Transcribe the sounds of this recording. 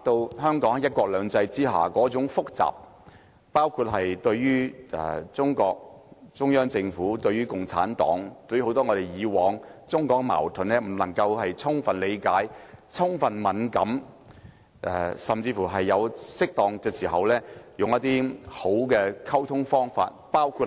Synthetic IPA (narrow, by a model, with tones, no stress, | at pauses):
a˨t̪o˧wɦœː˥ŋkɔː˨˥ŋjɐ˥t̚kɔː˧k̚lœː˨˧ŋt͡sɐ˧jt͡siː˥ɦa̰ː˨˩kɔː˨˥t͡sʊ˨˥ŋfʊ˥k̚t͡sa̰ː˨p̚ː | aː˥wkʰu˧t̚ɦɐ˨jt̪ɵ˧ɥɥyː˥ɛ̰˨˩t͡sʊ˥ŋkɔː˧k̚t͡sʊ˥ŋjœː˥ŋt͡sɪ˧ŋfuː˨˥t̪ɵ˧ɥyː˥kʊ˨ŋt͡sʰa̰ː˨˥nt̪ɔ̰ː˨˥ŋt̪ɵ˧ɥy˥ho˨˥wt̪ɔː˥ŋɔː˨˧ɾe˨˩jjiː˨˧wɔː˨˧ŋt͡sʊ˥ŋkɔː˨˥k̚ma̰ː˨˩wt̪ʰɵ˨nlɛː˥m̩˨˩lɐ˨˩ŋkɐ˧whɐ˨jt͡sʰʊ˥ŋfɐ˨nle˨˧jkaː˨˥jt͡sʰʊ˥ŋfɐ˨nmɐ˨˥nkɐ˨˥m | ʔɛ̰˨˧sɐ˨mt͡siː˧fuː˨˩ɦɐ˨jːɐ˨˧wsɪ˥k̚t̪ɔː˨ŋkɛː˧siː˨˩ɦɐ˨wlɛː˥jʊ˨ŋjɐ˥t̪iː˥ho˨˥wkɛː˧kʰɐ˥wt̪ʰʊ˥ŋfɔː˥ŋfa̰ː˧t̚paː˥wkʰu˧